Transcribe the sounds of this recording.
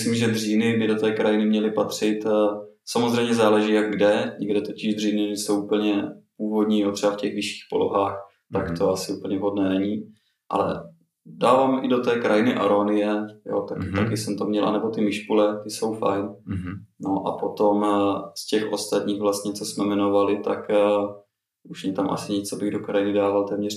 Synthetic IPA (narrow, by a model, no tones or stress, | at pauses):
slimʒɛd̪r̝iːnɪbɪdo̞t̪ɛːkɾajɪnɪmɲɛlɪpat̪r̝̥ɪt̪ | samozr̝ɛjmɲɛzaːlɛʒiːjaɡ̚ɡdɛɲɛɡdɛt̪o̞cɪʒd̪riːnɪnɛsowʔupl̩ɲɛpuːvo̞dɲiːjot̪r̥ɛbafcɛɣvɪʃi̥ːxpo̞̰lo̞̰ɦaːx | t̪akt̪o̞asɪuːpl̩ɲɛɦo̞dnɛːnɛɲi | ʔa̰lɛ̰ | daːvaːmʔɪdot̪ɛːkɾajɪnɪʔa̰ɾonɪjɛjo̰t̪akɪt̪akɪsɛmt̪omɲɛlʔa̰nɛbo̞t̪ɪmɪʃkulɛt̪ɪso̞wfa̰jn | noʔa̰po̞t̪omscɛxʔost̪at̪ɲiːɣvlast̪ɲɛt͡sosmɛmɛnovalɪt̪ak | uʃɲɛt̪amʔa̰sɪɲɛt͡sabɪɣdokɾajɪnɪdaːvalt̪ɛːmɲɛr